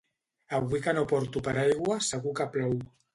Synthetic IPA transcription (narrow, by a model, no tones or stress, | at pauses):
aβwikanopɔɾt̪upaɾajɣwasəɣukaplow